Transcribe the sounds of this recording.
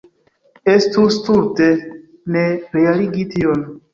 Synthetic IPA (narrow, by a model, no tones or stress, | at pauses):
est̪ust̪uɾt̪e | neɾeaɾiɡit̪ʰion